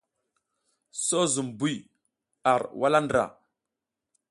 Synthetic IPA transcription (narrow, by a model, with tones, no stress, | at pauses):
so˦zu˨mbu˦˨j | a˨ɾwa˦la˦ndɾa̰˨